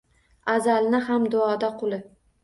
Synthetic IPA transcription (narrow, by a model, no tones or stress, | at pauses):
azalnɪɦamd̪ʊɒd̪aqʰʊlˠɪ